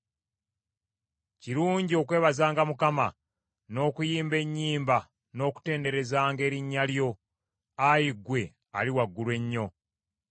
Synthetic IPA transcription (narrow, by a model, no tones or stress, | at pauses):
ciɾuːɲɟio̞kwe̞ːβazaːŋɡamukama | no̞ːkujiːmbe̞ɲːiːmba | no̞ːku̥te̞ːnde̞ɾe̞zaːŋɡe̞ːɾiɲːaljo̞ | ajiɡwe̞ | a̰liwaɡːulwe̞ɲːo̞